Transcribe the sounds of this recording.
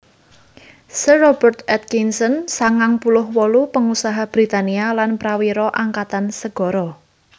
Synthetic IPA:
sərɔb̥ərt̪ɛt̪̚kinsɔnsaŋaŋpulʊhwɔlupəŋusaɦab̥ɾit̪anialanpɾawiɾɔʔaŋkat̪ansəɡ̥ɔ̤ɾɔ

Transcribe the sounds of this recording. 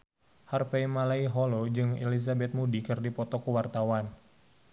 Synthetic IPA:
harfejmalaiɦɔlod͡ʒɨŋḛlis̬abɛt̪̚mudikɨrdipɔt̪ɔkuwart̪awan

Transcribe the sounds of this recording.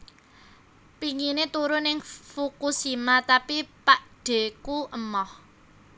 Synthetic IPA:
piŋinet̪uɾʊnɪŋfukusimat̪apipaʔɖ̥e̤kuʔəmɔh

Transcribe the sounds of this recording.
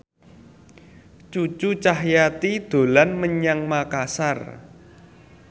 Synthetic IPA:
t͡ʃut͡ʃut͡ʃaɦjat̪id̪̥o̤lanməɲaŋmakasar

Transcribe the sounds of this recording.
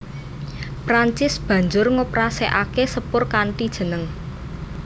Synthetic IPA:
pɾaɲt͡ʃɪsb̥ä̤ɲd͡ʒʊrŋopɾaseʔakesəpʊrkaɳʈid̥ʒ̥ə̤nəŋ

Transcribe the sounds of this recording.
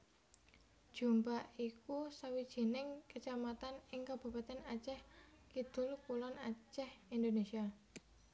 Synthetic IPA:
d̥ʒ̥ṳmpaʔikusawid̥ʒ̥i̤nɪŋkət͡ʃamat̪anɪŋkab̥ṳpat̪ɛnat͡ʃɛhkid̪̥ʊ̤lkulɔnat͡ʃɛhind̪onesia

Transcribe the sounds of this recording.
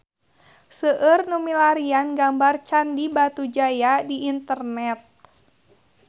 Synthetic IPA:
səʔərnumilaɾianɡambart͡ʃandibat̪ud͡ʒajadiʔːnt̪ərnɛt̪̚

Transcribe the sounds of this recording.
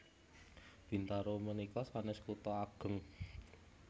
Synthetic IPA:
b̥int̪aɾomənikɔsanɪskut̪ɔaɡ̥ə̤ŋ

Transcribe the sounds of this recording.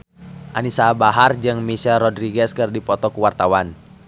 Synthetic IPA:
ʔanisabaɦard͡ʒɨŋmisɛlɾɔdɾiɡɛskɨrdipɔt̪ɔkuwart̪awan

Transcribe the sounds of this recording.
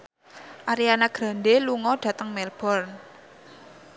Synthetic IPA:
ʔaɾianaɡ̥ɾa̤nɖeluŋɔɖ̥ä̤t̪əŋmɛlb̥ɔrn

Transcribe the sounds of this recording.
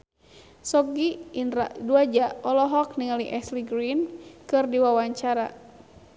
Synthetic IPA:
sɔɡiinɾa̰ʔduad͡ʒaʔɔlɔɦɔk̚niŋaliʔɛsliɡɾinkɨrdiwawaɲt͡ʃaɾa

